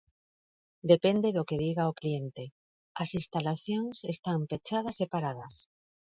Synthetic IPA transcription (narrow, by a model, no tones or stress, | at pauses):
d̪epend̪eðokeðiɣaoklient̪e | ɐsinst̪alaθjoŋsest̪ampet͡ʃað̞ɐsepaɾað̞ɐs